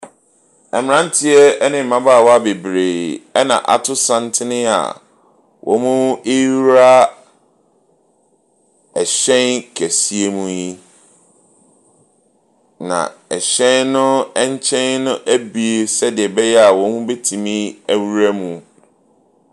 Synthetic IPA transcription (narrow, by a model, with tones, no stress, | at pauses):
ɛ˨mɪ̃˨ɾã˦n̩˦tʰɪ˦ɛ˦ɛ˦nɪ̃˨m̩ː˨mã˦ba˦˨wɔ˦a˦be˨bɾeː˨ɛ˦nã̰˨ʔa̰˨tʰʊ˦sã˦n˦tʰɪ˦nɪ̃˦a̰˨ | wʔɔ̰˨˦mũ˦e˦ɾa˦ | ɛ˨ɕɛ̃˦nkʰæ˨si˦e˦mũ˦ji˦ | nã̰˨ɛ˨ɕɛ̃˦nnʊ̃˦ɛ˦ɲ˦t͡ɕʰɛ̃˦nːʊ̃˦ʔæ˦bi˨e˨sɛ˦dɪ˨ɛ˨bɛ˦jɛ˦a˨wɔ̃˨˦mũ˦be˦tʰĩ˨mĩ˦æ˦wu˦ɾæ˦mũ˦˨